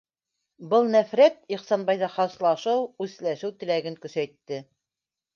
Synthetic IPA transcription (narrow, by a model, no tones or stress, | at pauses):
bɤlˠnæfɾæt̪̚iχsɑnbɑjðɑχɑslˠɑʃɤwʉðlæʃɘwt̪ɘ̆læɡɘŋkɵ̆sæjt̪ːɘ